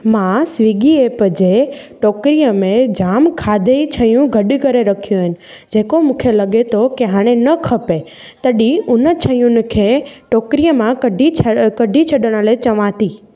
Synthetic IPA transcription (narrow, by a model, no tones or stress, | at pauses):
mãsʋiɡiepəd͡ʒeʈoːkɾijəmẽd͡ʑaːmkʰaːd̪ʱeit͡ʃʰəjũɡʱəɗɪkəɾeɾəkʰijõɦɪnɪ̆ | d͡ʑeːkomũːkʰelɐɠet̪ʰokeɦãːɽ̃ẽnəkʰəpe | t̪əɗiʊnət͡ʃʰəjũnɪ̆kʰeʈoːkɾijəmãkəɖʱit͡ʃʰəkəɖʱit͡ʃʰəɗəɽ̃əlet͡ɕɐʋãt̪i